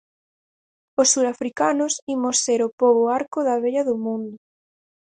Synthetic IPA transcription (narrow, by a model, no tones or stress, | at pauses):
osːuɾafɾikanʊsimoseɾʊpoβʊaɾkʊðɐβeʎɐðʊmũnd̪ʊ